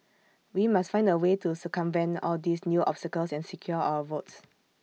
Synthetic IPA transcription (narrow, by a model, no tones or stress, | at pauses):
wimastfãɪ̃ndəwetusəkə̃mvɛ̃nɔ̰ldisnjuʔɔ̰pstəkəlsɛ̃nsikʰjɔa̰wəvots